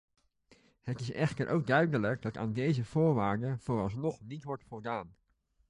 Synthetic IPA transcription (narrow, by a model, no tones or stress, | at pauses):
hətɪsɛ̰χtəɹʔo̰wɡ̚dœɥdələɡdɑta̰ːndejzəvʊːɹʋaːɹdəv̥oːrɑlˠsnɔχnitʋɔɹtfɔlˠdaːn